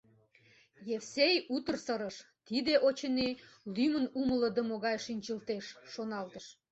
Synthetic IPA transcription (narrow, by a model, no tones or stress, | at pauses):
jefsejut̪ərsəɾəʃ | t̪id̪eʔot͡ɕənelymənumələd̪ə̆moɣɑjʃinʲt͡ɕəlt̪eʃːonɑlt̪əʃ